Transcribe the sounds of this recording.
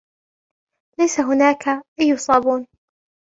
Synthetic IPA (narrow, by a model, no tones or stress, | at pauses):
lajsaɦʊnaːkaʔajːʊsˤɑːbuːn